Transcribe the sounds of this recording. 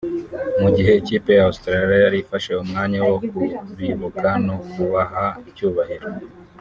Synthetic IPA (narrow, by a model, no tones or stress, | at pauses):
muɟiɦe̞ːciːpe̞jaust̪ɾaliajaɾifaʃe̞umŋaːɲawo̞k̚uɾiβukʰano̞kuβaɦaicuːβahiɾo